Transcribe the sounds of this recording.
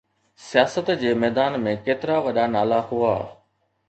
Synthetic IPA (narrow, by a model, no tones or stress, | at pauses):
sijaːsət̪d͡ʑeːmɛːd̪aːnmẽkeːt̪ɪɾaʋɐɗanaːlaɦua̰ː